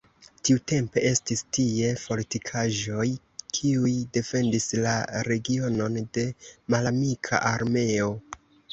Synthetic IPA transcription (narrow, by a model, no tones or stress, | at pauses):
tiute̞mpe̞ʔe̞stistie̞po̞litikʰaʒo̞j | kʰiujde̞fe̞ndislaɾe̞ɡio̞no̞nde̞malamikʰa̰ʔaɾme̞o̞